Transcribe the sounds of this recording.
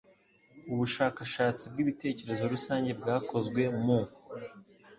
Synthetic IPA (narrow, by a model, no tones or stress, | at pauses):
uβuʃaːkaʃaːt͡sib̚ɡiːβite̞ːce̞ɾe̞zo̞ɾusaːɲɟe̞bɡaːko̞zɡwe̞mu